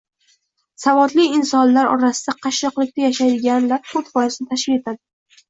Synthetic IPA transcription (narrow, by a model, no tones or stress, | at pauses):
savɒd̪lɪɪnsɒnlaɾɒ̰ɾasɪd̪aqʰɑʃɒqlˠɪk̚ʲt̪ʰajaʃajd̪ɪɡʲanlaɾfʰot̪vɒjɪsɪnɪt̪ʰaʃɪe̞t̪ʰad̪ɪ